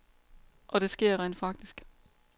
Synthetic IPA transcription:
ʔɒ̽ɾ̥e̝sɡ̥e̝ɐ̰ʁɛ̰nd̥fɑ̈ɡ̥̚d̥isɡ̥

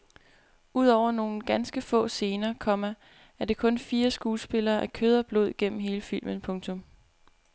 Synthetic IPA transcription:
ʔuð̞̰ˠɒʊ̰ɐno̝ːn̩ɡ̥ænsɡ̥əfɔ̰̽ːse̝ːnɐːkʰɒ̽mæ | æɐd̥e̝kʰɔ̽nfiːɐsɡ̥uːsb̥e̝lɐːʔækʰøð̞ˠɐb̥lo̝ð̞̰ˠɡ̥en̰m̩ɦe̝ːləfil̰mənpʰɔ̽ŋt͡sʰɔ̽m

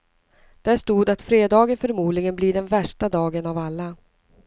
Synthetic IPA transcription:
d̪̥æʂt̪uːd̪at̪fɾeːd̪ɑːɡənfœɾmuːd̪lɪɡənbliɖɛnvæʂʈad̪ɑːɡənavalːa

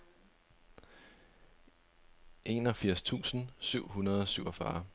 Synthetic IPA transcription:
ʔe̝̰nɒ̽fiɐ̰st͡sʰṵːsn̩syʊ̰ɦunɐð̞ˠɒsyʊ̰ɒfɑ̰ː

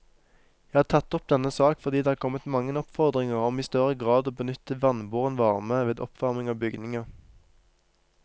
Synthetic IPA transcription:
jæɪhɑːt̪ʰɑt̪ːɔp̚d̪ɛnəsɑːkfɔʁd̪iːd̪eːɑːʁkʰɔmət̪mɑŋənɔpfɔʁd̪ʁɪŋəʁɔmiːst̪œʁəɡʁɑːd̪oːbənʏt̪əʋɑnbuːʁənʋɑːʁməʋeːd̪ɔ̰pʋɑʁmɪŋɑːbʏɡnɪŋɑʁ

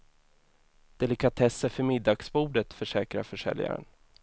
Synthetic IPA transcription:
d̪̥ɛlɪkʰat̪ʰɛsːəfœɾmɪd̪ːɑːɡsbuːɖət̪fœʂɛːkɾa̰ɾfœʂɛ̰lja̰ɾə̰n

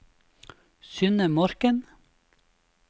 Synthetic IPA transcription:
sʏnəmɔɾkən

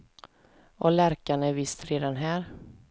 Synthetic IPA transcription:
ɔlæɾkanæɾvɪst̪ɾeːd̪anɦæːɾ

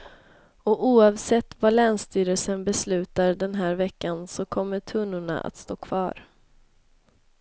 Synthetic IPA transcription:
ɔuːɑvsɛt̪ːvalɛːnst̪yːɾəlsənbɛslʉ̟ːt̪aɾɖɛnɦæːɾvɛkːansɔkʰɔmːəʈʰɵnːʊɳa̰ʔa̰t̪st̪oːkʰvɑ̰ːɾ

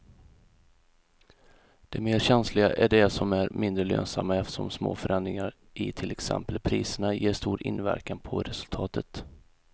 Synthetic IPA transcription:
d̪̥ɛmeːɾɕɛnslɪɡaʔæɖɛsɔmæɾmɪnd̪ɾəlø̰ːnsamːaɛft̪ə̥ʂɔmsmo̰ːfœɾɛnd̪ɾɪŋaɾ | ʔɪt̪ʰɪlɛksɛ̰mpəlpʰɾiːsəɳajeːʂt̪uːɾɪ̰nvæɾkanpʰɔɾɛsɵlt̪ʰɑːt̪ʰət̪

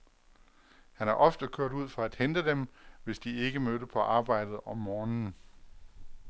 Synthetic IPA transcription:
hænæɐʔɒ̽fd̥əkʰøɐ̰d̥uð̰ˠfɒ̽æd̥hend̥əd̥emʋe̝sd̥ie̝ɡ̥əmødəpʰɒ̽ʔɑ̈ːb̥ɑ̈ɪ̰d̥ð̩ˠɒ̽mːɒːnn̩

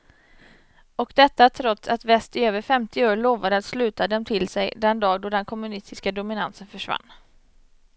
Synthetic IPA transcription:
ɔkd̪ɛt̪ːat̪ʰɾɔt̪sat̪vɛst̪ɪøːvəɾfɛmt̪ɪoːɭoːvad̪əat̪slʉ̟ːt̪ad̪ɛmt̪ʰɪlsɛjd̪ɛnd̪ɑːɡd̪oːɖ̪ɛnkʰɔmɵnɪst̪ɪskad̪ʊmɪnansənfœʂva̰nː

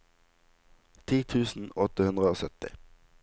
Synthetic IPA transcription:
t̪ʰiːt̪ʰʉːsn̩ɔt̪əhʉnd̪ʁəoːsœt̪ɪ̰

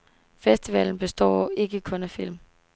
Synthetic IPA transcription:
fesd̥iʋɛ̰ln̩b̥e̝sd̥ɒ̰ːe̝ɡ̥əkʰɔ̽næfil̰m

